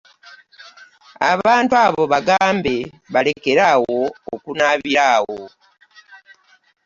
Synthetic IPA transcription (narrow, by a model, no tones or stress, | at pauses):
a̰βaːntwaβo̞βaɡaːmbe̞ | βale̞ke̞ɾawo̞ːkunaβiɾaːwo